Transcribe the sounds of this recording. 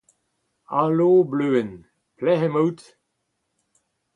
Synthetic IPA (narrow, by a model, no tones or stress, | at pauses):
aloːbløːən | plɛɦəmowt